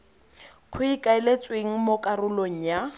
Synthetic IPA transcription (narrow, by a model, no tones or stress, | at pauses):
kʰʊikʼaɛlet͡sʼweŋ̩mokʼarʊloŋ̩ja